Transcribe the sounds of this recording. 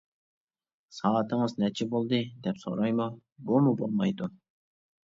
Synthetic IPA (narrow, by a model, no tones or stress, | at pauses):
sɑːt̪ʰəŋɨznɛt͡ʃʰɪbolˠd̪ɨd̪ɛpso̰ɾɑjmu | bumubolˠmɑjd̪u